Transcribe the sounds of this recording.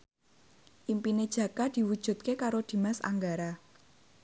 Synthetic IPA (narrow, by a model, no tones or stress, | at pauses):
ʔimpined̥ʒ̥ä̤kad̪̥i̤wud̥ʒ̥ṳt̪̚kekaɾod̪̥i̤masa̰ŋɡaɾa